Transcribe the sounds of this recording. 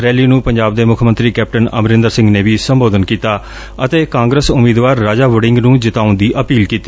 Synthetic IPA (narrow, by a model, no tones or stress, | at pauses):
ɾɛːliːnũːpəɲd͡ʒaːb̚d̪eːmʊkʰmənt̪ɾiːkɛːp̚ʈənə̰mɾɪ̃nd̪əɾsɪ̃ŋɡneːʋiːsəmboːd̪ənkiːt̪aː | ət̪eːkãːŋɡɾəsʊmiːd̪ʋaːɾːaːd͡ʒaːʋʊɽɪ̃ŋɡnũːd͡ʒɪt̪aːʊnd̪iːʔəpiːlkiːt̪iː